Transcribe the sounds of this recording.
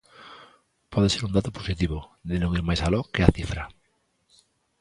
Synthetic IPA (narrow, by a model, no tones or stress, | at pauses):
pʰɔðeseɾund̪at̪oposit̪iβʊðɪnõŋiɾmajsalɔkeaθifɾa